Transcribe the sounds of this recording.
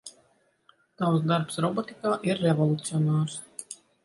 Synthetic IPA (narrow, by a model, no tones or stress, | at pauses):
t̪awsd̪aɾpsɾɔbɔt̪ikaːʔiɾːevɔlˠut̪siɔnaːɾs